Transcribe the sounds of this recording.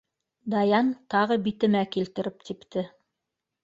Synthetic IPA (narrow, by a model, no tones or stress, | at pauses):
d̪ɑjɑnt̪ɑʁɤbit̪ɘ̆mækilt̪ɘ̆ɾɘp̚t̪ʰipt̪ɘ